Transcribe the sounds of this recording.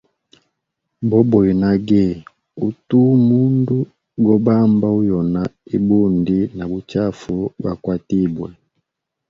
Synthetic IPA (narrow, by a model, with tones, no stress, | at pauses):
bɔ˦bɔ˨i˨na˦ɡɛ˦˨ | u˦tu˦mu˦ndu˦ | ɡɔ˦ba˦mba˦u˦jɔ˨na˨i˦bu˦ndi˦na˨bu˨t͡ʃa˦fu˨ba˨kwa˦ti˦bwɛ˨